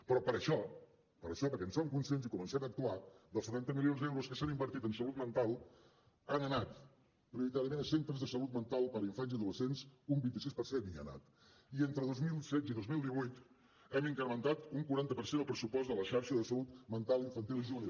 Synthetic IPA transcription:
pɾɔpəɾəʃɔ | pəɾəʃɔpəɾkɛnsoŋkunsiensikumə̃nsɛmək̚t̪uaðəlˠsət̪ant̪əmilionzd̪ɛwɾuskəsanimbəɾt̪it̪ənsəlut̪mənt̪alˠ | anənat̪ | pɾiuɾit̪aɾiəmenəsent̪ɾəzðəsəlut̪̚mənt̪alˠpəɾiɱfanzəðuəsensumbint̪isispəɾsennia̰na̰t̪ | ient̪ɾəðozmilˠsɛziðozmilˠd̪iβujt̪ | ɛmiŋkəɾmənt̪at̪uŋkuɾant̪əpəɾsend̪əlˠpɾəsupɔzd̪ələʃaɾʃəðəsəlut̪mənt̪alˠiɱfənt̪ilˠiʒuni

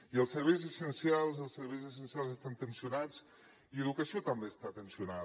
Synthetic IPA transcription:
iəlˠsːəɾβejzəsənsjalˠzəlˠsəɾβejzəs̬ənsialˠzəst̪ant̪ənsiunat͡s | iəðukəsiot̪əmbest̪at̪ənsiuna

